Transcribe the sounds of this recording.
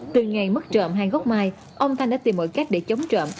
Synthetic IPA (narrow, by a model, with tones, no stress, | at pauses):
t̪ɨ˨˩ŋa˨˩jmə˦˥t̚t͡ɕə̰ː˧˨mɦaː˧jɣɔ˦˥k͡p̚maː˧˩j | ʔə˧wŋ͡mt̪ʰa˧ŋɗa̰ː˧˥t̪i˨˩mːo̰˧˨jka˦˥jk̟̚ɗe˧˦t͡ɕə˨˦wŋ͡mt͡ɕə̰ː˧˨m